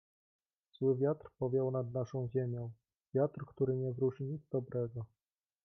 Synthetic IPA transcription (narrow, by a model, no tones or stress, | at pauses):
z̥wɘvʲjat̪ɾpɔvʲjɔwnad̪naʂɔ̃w̃ʑemʲjɔ̃w̃ | vʲjat̪rkt̪uɾɘɲɛvɾuʂiɲid̪zd̪ɔbɾɛɡɔ